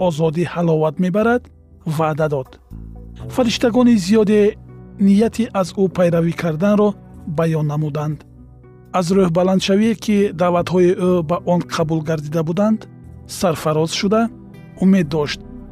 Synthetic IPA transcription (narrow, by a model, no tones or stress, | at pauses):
ɔzɔd̪ihalɔvat̪me̞baɾad̪̥ | vad̪ad̪ɔd̪̥ | faɾiʃt̪aɡɔnizijɔd̪enijat̪ʰiʔazupʰajɾavikʰaɾd̪anɾɔ | bajɔnːamud̪and̪ | azɾøhbaland̪ʃaviekʰid̪aːvat̪hɔiʔøbaʔɔnqʰabulɡaɾd̪id̪abud̪and̪ | saɾfaɾɔz̥ʃud̪a | ume̞d̪ːɔʃt̪̚